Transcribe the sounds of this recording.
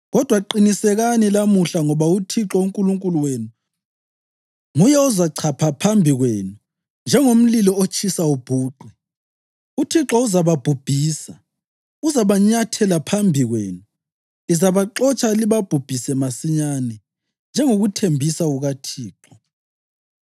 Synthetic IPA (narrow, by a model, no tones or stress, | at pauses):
ɣɔd̥ʱwaǃinisɛɣanilamuɬaŋɔβautʰiǁɔuŋkʼuluŋkʼuluweːnu | ŋujɛuzaǀʰapʰapʰambʱiɣweːnu | nd͡ʒʱɛŋom̩lilɔot͡ʃʰʼisaub̥ʱuːɡ͡ǃ̥ʱwi | utʰiǁɔuzaβab̥ʱub̥ʱiːsa | uzaβaɲatʰɛlapʰambʱiɣwḛːnu | izaβaǁɔt͡ʃʼaliβab̥ʱub̥ʱisɛmasiɲanɛ | nd͡ʒʱɛŋoɣutʰembʱisauɣatʰiːǁɔ